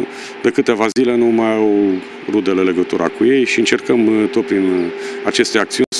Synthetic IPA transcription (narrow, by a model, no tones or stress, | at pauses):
d̪ekɨt̪e̞vazile̞numajaw | rud̪elele̞ɡət̪uɾʔa̰kuje̞jʃiɨnt͡ʃerkəmt̪o̞t̪̚pɾinat͡ʃe̞st̪eak̚t̪siunʲ